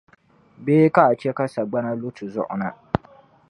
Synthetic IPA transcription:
beː˦ka˦a˨t͡ʃɛ˦ka˦sa˨ɡ͡ba˦na˦lo˦tʰɨ˨zʊ̰˦ʔʊ̰˨na˦

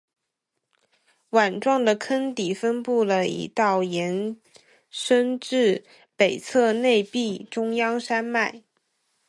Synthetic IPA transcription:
wa˨˩nʈ͡ʂwɑ˥˩ŋd̪ə˩kʰə˥nt̪i˨˩fə˥npu˥˩lə˩ḭ˨˩t̪ɑ˥˩ʊjɛ˧˥n | ʂə˥nʈ͡ʂɻ̩˥˩ | pe˨˩ɪt͡sʰɤ˥˧ne˥˧ɪpi˥˩ʈ͡ʂʊ˥ŋjɑ˥ŋʂa˥nma˥˩ɪ

